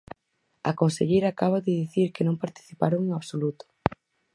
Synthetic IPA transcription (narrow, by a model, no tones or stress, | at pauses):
ɐkonseʎejɾaːkaβ̞aðɪðiθiɾkɪnõmpaɾt̪i̥θipa̰ɾoŋeŋaβsolut̪ʊ̥